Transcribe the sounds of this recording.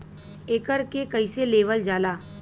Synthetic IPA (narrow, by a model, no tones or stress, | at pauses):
eːkəɾkekəiseleːʋəld͡ʒaːlaː